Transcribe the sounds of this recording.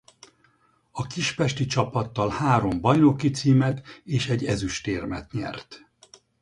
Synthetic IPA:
ɒkiʃpɛʃt̪it͡ʃɒpɒt̪ːɒlhaːɾo̞mbɒjno̞kit̪siːmɛt̪eːʃɛɟːɛzyʃt̪eːrmɛt̪ɲɛ̰rt̪

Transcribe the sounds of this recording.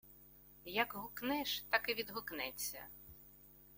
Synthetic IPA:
jɐkɦʊknɛʃt̪ɑkɪʋʲid̪ɦʊknɛt͡sʲːɐ̰

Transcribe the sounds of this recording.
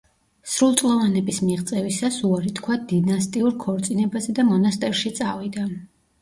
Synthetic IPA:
sɾulˠt̪sʼlˠɔvanɛbismiʁt̪sʼɛvisasuaɾit̪kʰwad̪inast̪ʼiuɾkʰɔɾt̪sʼinɛbazɛd̪amɔnast̪ʼɛɾʃit̪sʼavid̪a

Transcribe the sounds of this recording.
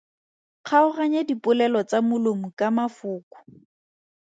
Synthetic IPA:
k͡xʰaʊraɲedipʊlɛlɔt͡samʊlomʊkamafʊːkʊ̥

